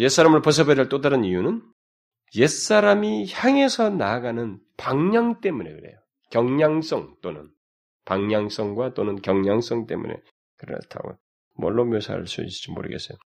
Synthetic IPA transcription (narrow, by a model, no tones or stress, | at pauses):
jes͈aɾamɯɭpʌs̬ʰʌbeɾɯɭt͈odaɾɯnijunɯn | je̞s͈aɾamiçjaŋe̞sʰʌnaːɡanɯnpaŋɲaŋt͈e̞mune̞̰kɯɾe̞̰jo | kjʌŋɲaŋs͈ʌŋt͈onɯn | paŋɲaŋs͈ʌŋɡwat͈onɯnkjʌŋɲaŋs͈ʌŋt͈e̞̰mṵne̞̰ | kɯɾʌ̰tʰa̰ɡo̰ | mʌɭːomjosʰa̰ɾɯ̰ɭs͈ṵḭid͡ʑimo̰ɾɯ̰ɡe̞̰s͈ejo